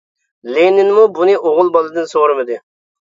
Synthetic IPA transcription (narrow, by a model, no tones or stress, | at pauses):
lenɪnmubunɨʔoʁʊlˠbɑlˠɨd̪ɨnsoɾɨmɨd̪ɨ